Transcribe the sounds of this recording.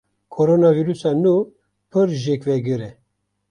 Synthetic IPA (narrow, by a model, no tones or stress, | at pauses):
kʰoɾonɑviɾusɑnu | pʰɨɾʒekvɛɡɨɾɛ